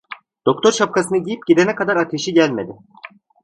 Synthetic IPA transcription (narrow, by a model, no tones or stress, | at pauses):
d̪̥o̞k̚t̪ʰo̞ɾʃap̚kʰasɯnɯɟijip̚ɟ̥id̪enɛkad̪aɾat̪ʰe̞ʃiɟælʲme̞d̪ɪ